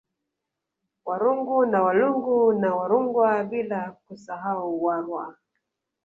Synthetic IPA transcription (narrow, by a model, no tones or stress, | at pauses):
waɾuŋɡunawaluŋɡunawaɾuŋɡwaɓilakusaɦauwaɾwa̰